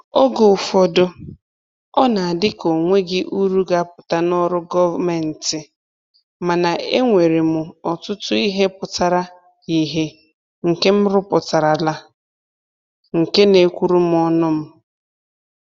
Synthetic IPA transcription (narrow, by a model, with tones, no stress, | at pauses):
o˦ɡo˨fɔ˨dʊ˦ | ɔ˦na˨a˨dɪ˦ko˨ŋʷe˦ɡɪ˦ʔu˦ɾu˦ɡa˦˨pʊ̥˨ta˦nɔ˦ɾʊ˦ɡɔ˦va˦me˨n̩˨tɪ˨ | ma˨na˨ʔe˦ŋʷe˨ɾe˨mʊ˨ɔ˨tʊ˦tʊ˦i˦ɦe˦pʊ˨ta˨ɾa˦ | i˨ɦe˦ | ŋ̩˨ke˦m̩˦ɾʊ˦pʊ˨ta˨ɾa˨la˦ | ŋ̩˨ke˦ne˨kʷu˦ɾu˦m̩˦ɔ˦nʊ˦m̩˦